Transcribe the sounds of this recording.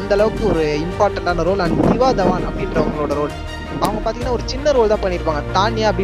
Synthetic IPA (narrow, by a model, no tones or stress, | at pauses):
nd̪ɐlɐʋɯkːɯɔɾɯɪmpaːɾʈɐɳʈaːnɐɾoːlɐndɪʋaːd̪ɐʋaːnɐpːɽɪɳʈɾɐʋɐŋɡɐɭoːɽɐɾoːl | ɐʋɐŋɡɐpaːɾt̪iŋɡɐnːaːɔɾɯt͡ʃɪnːɐɾoːlt̪ãːpɐːɪɾɯpːaːŋɡɐt̪aːnjaːɐpːɽ